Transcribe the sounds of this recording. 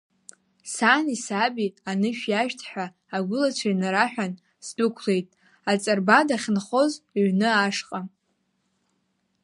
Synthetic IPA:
sanisabianɨʃᶣjaʃᶣtʰħʷᶣaː | ɡʷʊlat͡ɕʷʰajnaɾaħᶣan | sdukʷʰle̞jtʼ | at͡sʼarbadaχʲnχo̞zɥnɨaʂqʼa

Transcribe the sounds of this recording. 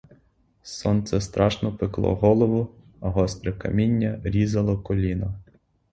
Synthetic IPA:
sɔnt̪sɛst̪ɾʔɑʃnɔpɪklˠɔ̰ɦɔlˠɔʋʊ | ɐɦɔst̪ɾekɐ̰mʲinʲːɐɾʲizɐlˠɔkɔlʲinɐ

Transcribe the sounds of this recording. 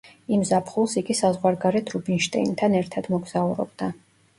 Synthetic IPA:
imzapʰχulˠsiɡisazʁwaɾɡaɾɛt̪ʰɾubinʃt̪ʼɛ̰int̪ʰanɛɾt̪ʰad̪mɔɡz̥auɾɔ̰bd̪a

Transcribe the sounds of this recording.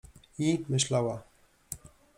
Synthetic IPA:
imɘʃlawa

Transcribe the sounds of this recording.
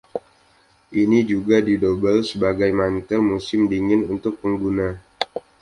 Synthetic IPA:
ʔinid͡ʒuɡadidobəlsəbaɡajmant̪əlmusɪmdiŋɪnunt̪ʊk̚pəŋɡuna

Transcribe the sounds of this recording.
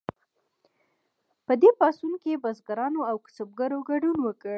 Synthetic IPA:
pəd̪epɑsunkebazɡaɾɑnoawkʊ̥səb̚ɡaɾoɡaɖunwəkəɽ

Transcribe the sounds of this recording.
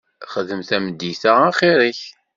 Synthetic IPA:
χəðəmθæməd̪iθaæχiɾiç

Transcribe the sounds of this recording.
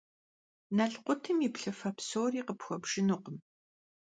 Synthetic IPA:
nɐɬqʷʊtʰɨmipɬɐfɐpsoːriːqəpxʷɔbʒ̥ɪnuqəm

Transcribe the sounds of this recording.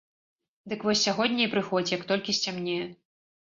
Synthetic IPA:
d̪ɨkvɔsʲːaɣɔd̪ʲnʲɛjpɾɨxɔd͡zʲijɐkt̪ɔlʲkʲisʲt͡sʲamnʲɛjɛ

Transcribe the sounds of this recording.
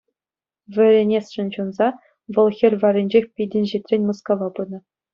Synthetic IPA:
vʲɘ̆ɾʲenʲesʂɘ̆nt͡ɕunzɑ | ʋɤ̆lˠxʲerʲʋɑɾʲenʲd͡ʑexʲpʲidʲɘ̆nʲʑit̪ʲrʲenʲmɤ̆skɑʋɑbɯnɤ̆

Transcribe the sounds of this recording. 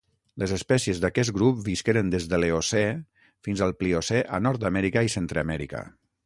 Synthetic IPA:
ləzəspɛsiəzðakɛs̬ɡɾup̚biskeɾənd̪ezðəleosɛ | finzəlˠpliosɛʔa̰nɔɾt̪amɛɾikaisent̪ɾəːmɛɾikə̰

